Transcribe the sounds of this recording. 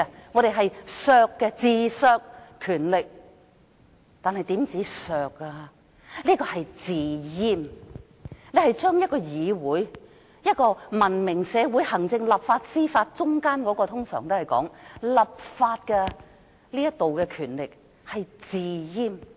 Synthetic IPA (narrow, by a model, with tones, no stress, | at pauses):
ŋɔː˨˧ɾe˨jɦɐ˨jsœː˧kːɛ˧t͡siː˨˩sœː˧kkʰːyː˨˩nlɪ˨k̚ | t̪aː˨nɦɐ˨jt̪iː˨˥mt͡siː˨˥sœː˨˧k̚a˧ | liː˥kɔː˧hɐ˨jt͡siː˨jiː˥m | le˨˧jhɐ˨jt͡ʃœː˥ŋjɐ˥t̚kɔː˧jiː˨˧wuː˨˥j | jɐ˥t̚kɔː˧mɐ˨˩nmɪ˨˩ŋsɛː˨˧wu˨˥jhɐ˨˩ŋt͡sɪ˧ŋlɐ˨p̚faː˧t̚siː˥faː˧t̚t͡sʊ˥ŋkaː˥nkɔː˨˥kɔː˧t̪ʰʊ˥ŋsœ̰ː˨˩ŋt̪o˥hjkɔ̰ː˨˥ŋlɐ˨p̚faː˧t̚kɛ˧ | liː˥jɐ˥t̚t̪o˨wkɛ˧kʰyː˨˩nlɪ˨k̚ | hɐ˨jt͡siː˨˩jiː˧m